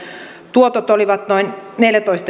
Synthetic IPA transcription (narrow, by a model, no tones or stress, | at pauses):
t̪uot̪ot̪oliʋɑt̪noinneljæt̪oist̪ɑ